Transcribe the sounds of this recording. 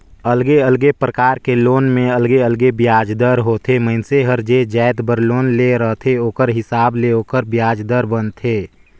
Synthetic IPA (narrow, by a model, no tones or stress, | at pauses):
əlɡeəlɡepɾəkaːɾkeloːnmẽɐlɡeəlɡebjaːd͡ʒd̪əɾɦoːt̪ʰeməɦɪnseɦəɾd͡ʒed͡ʒɛːɪd̪bəɾloːnleɾəɦt̪ʰeoːkəɾɦɪsaːbleoːkəɾbjaːd͡ʒd̪əɾbənt̪ʰeː